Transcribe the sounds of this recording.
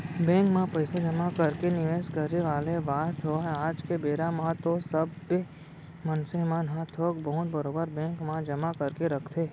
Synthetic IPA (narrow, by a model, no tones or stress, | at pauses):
bɛ̃ːŋkmãpəɪsad͡ʒəmakəɾkenɪʋeːskəɾːeʋaːlebaːt̪ʰɦoaːd͡ʒkebeːɾamãt̪osəbːe | mənsemãnɦãt̪ʰoːkbəɦʊt̪̚bəɾoːbəɾbɛ̃ːŋkmãd͡ʒɐmakəɾkeɾɐkʰt̪ʰeː